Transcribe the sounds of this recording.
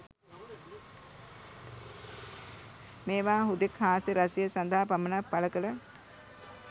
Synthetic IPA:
meːʋaːɦud̪ekhaːsəɾasijəsand̪ʱaɦapamənapːaləkələ

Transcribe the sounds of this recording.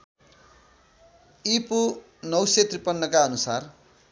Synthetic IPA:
ipu | nʌwset̪ripʌnːʌkaʌnusar

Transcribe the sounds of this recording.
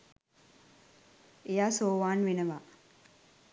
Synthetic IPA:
ejaːsoːʋaːnʋenəʋaː

